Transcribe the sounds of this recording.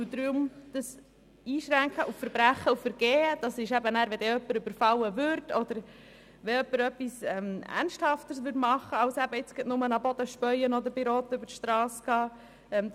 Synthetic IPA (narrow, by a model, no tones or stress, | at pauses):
ud̪ɾymd̥əs | iːʃɾæŋkχəʔufəɾbɾæχːəufəɾɡ̥ɛːd̥ɑsɪʃæbənæːɾʋɛd̪ɛœpːəɾʏbəɾfɑlːəvʏɾtɔd̥̪əɾ | ʋɛœpːəɾœpːisɛmæ̰rnʃthɑft̪əsʋʏtmɑχːəɑʊsæbəɪt͡sɡ̥ɪt̪nʊmənɑbɔd̪əʃpœʏənɔd̪əɾb̥ɪɾɔːt̪əʉbəɾʃtɾɑːsɡ̥ɑː | ɛm